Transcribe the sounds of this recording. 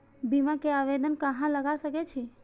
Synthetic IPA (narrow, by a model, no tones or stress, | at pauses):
bimãkeaʋed̪ənkəɦãləɡaʃəket͡ʃʰe